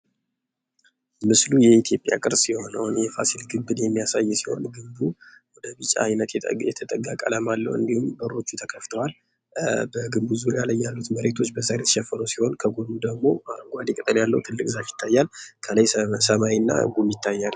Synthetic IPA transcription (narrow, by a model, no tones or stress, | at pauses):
mɨslujɛit̪ʰjo̞pʼja̰kʼɨɾsiho̞nəwnjɛfasilɡɨmbɨd̪jɛmːijasajːsiho̞̰nɡɨmbu | wɔd̪əbɨt͡ʃʼa̰ajnət̪jɛt̪ʰət̪ʼəɡakʼələmalːə̰wɨ̰nd̪ihumbəɾːo̞t͡ʃːut̪ʰəkʰəft̪ʰəwal | bəɡɨmbuzuɾjaləjːalːut̪məɾe̞t̪ʰo̞t͡ʃːbəzaɾet̪ʃɛfːəɾəsiho̞nkʰəɡodud̪əɡmo̞ɡʷad̪ikʼət̪ʼəjalːə̰wt̪ʰɨlːɨkʼzafjɪ̥t̪ʰːajːalkʰələjsəmawinːa̰ɡumjɪt̪ʰːajːal